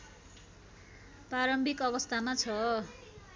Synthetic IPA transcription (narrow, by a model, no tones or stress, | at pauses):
paɾʌmbʱikʌɡʌst̪ʰamat͡sʰʌ